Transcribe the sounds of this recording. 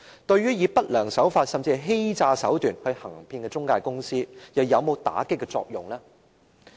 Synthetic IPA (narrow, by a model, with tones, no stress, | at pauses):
t̪ɵ˧ɥyː˥jiː˨˧pɐ˥t̚lœː˨˩ŋsɐ˨˥wfaː˧t̚sɐ˨mt͡si˧˨jɦe˥jt͡saː˧sɐ̰˨˥wt̪yː˨˩nhɵ˧ɥhɐ˨˩ŋpʰiː˧nkɛ˧t͡sʊ˥ŋkaː˧jkʊ˥ŋsiː˥jɐ˨wjɐ˨˧wmo˨˧wt̪a̰ː˨˥kɪ˥kːɛ˧t͡sɔ̰ː˧k̚jʊ˨˩ŋlaː˥